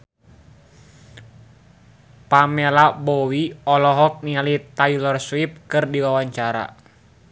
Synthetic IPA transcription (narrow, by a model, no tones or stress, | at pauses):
pamɛlabɔwiɔlɔɦɔk̚nialit̪ajlɔrswip̚kɨrdiwawaɲt͡ʃaɾa̰